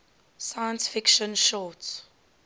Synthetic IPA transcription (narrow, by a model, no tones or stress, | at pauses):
sajə̃nsfɪkʃə̃nʃɔːts